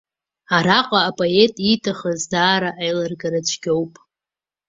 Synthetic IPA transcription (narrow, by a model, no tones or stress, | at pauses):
aɾaqʼaːpʼoe̞tʼitʰaχazdaːɾaʔajlarɡaɾat͡ʃʷʰɡʲo̞wpʼ